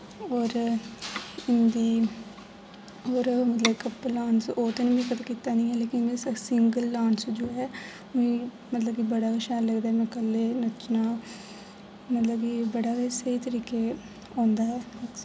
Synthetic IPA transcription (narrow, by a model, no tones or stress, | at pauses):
ɔːɾ | ɪnd̪iː | oːɾmət̪ləbkəpːlaːnsoːt̪enbĩːkət̪akiːt̪aːnĩːɛːleːkɪnsɪŋɡəlːaːnsd͡ʒoːɦɛː | ʊĩː | mət̪ləb̚kibəɽaːkəʃaːlləɡd̪aːɛmɛ̃ːkəlːeːnət͡ʃnaː | mət̪ləbkibəɽaːesəiːt̪əɾiːke | ãːnd̪aːɛː